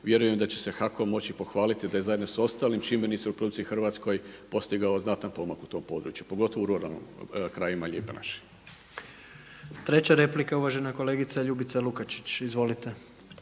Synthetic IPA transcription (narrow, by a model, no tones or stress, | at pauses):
ʋje̞ɾujemd̪at͡ɕe̞̥sexakomo̞t͡ɕipo̞xʋaːlit̪id̪ajezajed̪nosao̞st̪aːlimt͡ʃimeniseupɾo̞d̪uk̪t̪sixr̩ʋaːt̪sko̞jpo̞st̪iɡaoznat̪anpo̞makut̪o̞ːmpo̞ːd̪ɾṵt͡ʃjupo̞ɡo̞t̪oʋouɾuɾa̰lˠnḭmkɾajimaʎʲeːpena̰ʃi̥ | t̪ɾe̞t͡ɕaɾe̞plikauʋaʒe̞nako̞le̞ːɡit̪saʎubit̪salukat͡ʃi̥t͡ɕizʋo̞lit̪e